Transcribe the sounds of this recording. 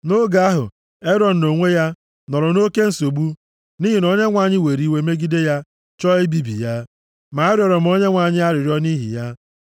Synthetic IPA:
no˦ɡa˨a˦ɦʊ̰˨ | e˦ɾɔ˨n̩˨no˨ŋʷe˦ja˦ | nɔ˨ɾɔ˨no˦ke˦n̩˨so˨ɡ͡bu˦ | ni˦ɦi˨no˦ɲe˦ŋʷa˨ɲɪ˦we˨ɾi˨we˦me˦ɡi˦de˦ja˦ | t͡ʃɔ˦i˦bi˦bḭ˨ja˦ | ma˨a˦ɾjɔ˨ɾɔ˨m̩˨˦o˦ɲe˦ŋʷa˨ɲɪ˦a˦ɾɪ˨ɾjɔ˦ni˦ɦḭ˨ja˦

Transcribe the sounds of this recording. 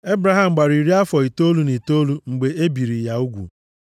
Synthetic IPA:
e˦bɾa˨ɦa˨m̩˨ɡ͡ba˨ɾi˨ɾi˦a˦fɔ˨i˨to˦lu˦ni˨to˦lu˦ŋ͡m̩˨ɡ͡be˨e˦bi˨ɾi˨ja˨u˦ɡʷṵ˨

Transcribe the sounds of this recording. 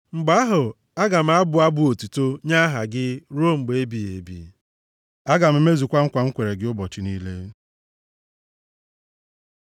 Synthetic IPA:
ŋ͡m̩˨ɡ͡ba˦ɦʊ˨ | a˦ɡa˨m̩˦a˦bʊ˨a˦bʊ˨o˨tu˨to˦ɲa˦ɦa˨ɡɪ˦ɾo˦ŋ͡m̩˨ɡ͡be˨e˦bi˨ḛ˨bḭ˨ | a˦ɡa˨m̩˦me˦zu˨kʷa˦ŋ̩˦kʷa˨ŋ̩˦kʷe˨ɾe˨ɡɪ˦ʊ˦bɔ˨t͡ʃɪ˨niː˦le˦

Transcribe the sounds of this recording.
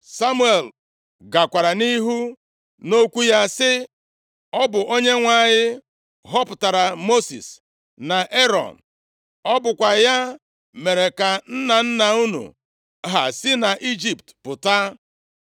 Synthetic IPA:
sa˦mu˦e˨l | ɡa˨kʷa˨ɾa˨ni˦ɦu˦ | no˦kʷu˦ja˦sɪ˦ | ɔ˦bʊ˨ʔo˦ɲe˦ŋʷa˦ɲɪ˦ | ɦɔ˦pʊ˨ta˨ɾa˨mo˦sḭ˨s | na˨ʔe˦ɾɔ̰˨n | ɔ˦bʊ˨kʷa˨ja˦ | me˨ɾe˨ka˨n̩˦na˨n̩˦na˨u˦nṵ˨ | ɦa̰˨si˦na˨ʔi˦d͡ʒi˨ptpʊ˨ta˦

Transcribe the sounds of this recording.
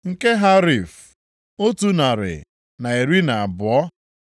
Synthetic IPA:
ŋ̩˨ke˦ɦa˦ɾi˨f | o˦tu˦na˨ɾɪ̰˨ | na˨e˨ɾi˦na˨a˨bʊ˨ɔ˦

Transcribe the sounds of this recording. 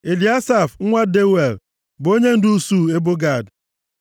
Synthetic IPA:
e˨li˨a˦sa˦˨fŋ̩˦ŋʷa˦de˦we˨l | bo˦ɲe˦n̩˦du˦suː˦˨e˦bo˦ɡa˦˨d

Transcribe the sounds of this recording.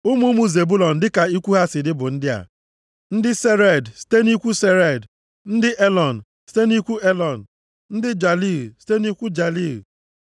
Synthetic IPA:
ʊ˦mu˦mu˦ze˨bu˦lɔ˨n̩˨dɪ˦ka˨i˦kʷu˦ɦa˦sɪ˨dɪ˦bʊ˨n̩˦dɪ˦a̰˨ | n̩˦dɪ˦se˦ɾe˦˨dsi̥˨te˦ni˦kʷu˦se˦ɾe˨d | n̩˦dɪ˦ʔe˦lɔ˨n̩˨ | si̥˦te˦ni˦kʷu˦e˦lɔ˨n̩˨ | n̩˦dɪ˦d͡ʒa˨li˦˨si̥˨te˦n˦i˦kʷu˦d͡ʒa˨li˦˨ɣ

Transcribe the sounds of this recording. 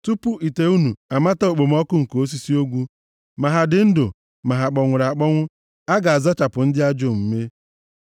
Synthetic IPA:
tu˦pu˦ʔi˨te˨u˦nu˨a˨ma˦ta˦o˨k͡po˨m˦ɔ˦kʊ˦ŋ̩˨ko˦s̬i˦si˦o˦ɡʷu˦ | ma˨ɦa˨dɪ˨n̩˦do˨ | ma˨ɦa˨k͡pɔ˨ŋʷʊ˨ɾa˨k͡pɔ˦ŋʷʊ˦ | a˦ɡa˨a˨zɔ˦t͡ʃa˨pʊ˨n̩˦dɪ˦a˦d͡ʒo˦˨m̩˨me˦

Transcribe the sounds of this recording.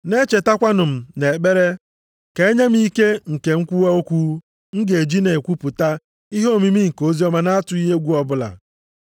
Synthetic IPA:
ne˦t͡ʃe˨ta˦kʷa˦nʊ˨m̩˨ne˨k͡pe˦ɾe˦ | ke˨e˦ɲe˦m̩˦i˦ke˦ŋ̩˨ke˨ŋ̩˦kʷu˦wa˦o˦kʷu˦ | ŋ̩˦ɡe˨d͡ʒi˦ne˨kʷu˦pʊ˨ta˦ | i˦ɦo˦˨mi˨mi˦ŋ̩˨ko˦zi˦ɔ˦ma˦na˦a˦tʊ˨˦i˦ɦe˦ɡʷu˦ɔ˦bʊ˦la̰˨

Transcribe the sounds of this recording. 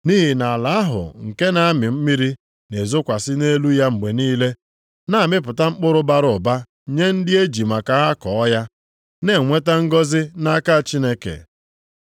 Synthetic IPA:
ni˦ɦi˨na˨a˨la˨a˦ɦʊ̰˨ŋ̩˨ke˦na˨a˦mɪ˨m̩˦mi˦ɾi˦ | ne˨zʊ˦kʷa˨sɪ˦ne˦lu˦ja˦ŋ͡m̩˨ɡ͡be˨niː˦le˦ | na˦a˨mɪ˦p̬ʊ˨ta˦ŋ͡m̩˦k͡pʊ˦ɾʊ˦ba˦ɾʊ˨ba˦ | ɲe˦n̩˦dɪ˦e˦d͡ʒi˨ma˨ka˨ɦa˦kɔ˨˦ja˦ | ne˦˨ŋʷe˦ta˦ŋ̩˦ɡɔ˦zɪ˦na˦ka˦˨t͡ʃi˦ne˦kḛ˨

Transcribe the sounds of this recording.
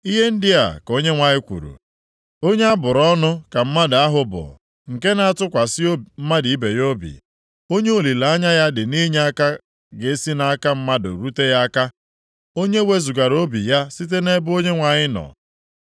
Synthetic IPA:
i˦ɦe˦n̩˦dɪ˦a̰˨ko˦ɲe˦ŋʷa˨ɲɪ˦kʷṵ˨ɾṵ˨ | o˦ɲe˦a˦bʊ˨ɾɔ˦nʊ˦ka˨m̩˦ma˦dɪ˨a˦ɦʊ˨bʊ̰˨ | ŋ̩˨ke˦na˨a˦˨tʊ˦kʷa˨sɪ˦o˦m̩˦ma˦di˨i˦be˨jo˦bḭ˨ | o˦ɲe˦o˦˨li˨la˨˦a˦ɲa˦ja˦dɪ˨ni˦ɲe˦a˦ka˦ | ɡe˨˦si˦na˨a˦ka˦m̩˦ma˦dʊ̰˨ɾu˦te˦ja˦a˦ka˦ | o˦ɲe˦we˦zu˨ɡa˨ɾo˦bḭ˨ja˦si˦t̬e˦ne˦bʊ˦o˦ɲe˦ŋʷa˨ɲɪ˦nɔ̰˨

